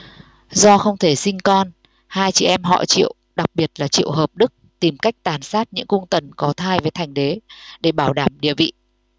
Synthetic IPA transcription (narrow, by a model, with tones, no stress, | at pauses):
zɔ˧xə˧wŋ͡mt̪ʰe˧˩sï˧ŋ̟kɔ˧n | haː˧jt͡ɕḭ˧˨ʔɛ˧mɦɔ̰˧˨t͡ɕḭ˧˨əwɗa˨˩k̚ɓi˨˩ət̚laː˨˩t͡ɕḭ˧˨əwɦəː˨˩p̚ɗɨ˦˥k̚t̪i˨˩mka˦˥jk̟̚t̪aː˨˩nsaː˦˥t̚ɲɨ̰˧˥ŋkʊ˧ŋ͡mt̪ə˨˩nkɔ˨˦t̪ʰaː˧jve˨˩jt̪ʰa˨˩jŋ̟ɗe˨˦ɗe˧˩ɓaː˧˩wɗaː˧˩mɗḭ˧˨əvḭ˧˨